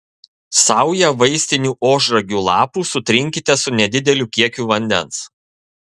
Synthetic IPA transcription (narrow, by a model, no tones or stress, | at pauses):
sɑˑʊjɛʋɐɪsʲt̪ʲɪnʲuːʔoːʒɾɐɡʲuːlˠɑːpuːsʊt̪ʲɾʲɪŋʲkʲɪt̪ʲɛsʊnʲɛd̪ʲɪd̪ʲɛlʲuːkʲiɛkʲuːʋɐnʲd̪ʲɛ̰ns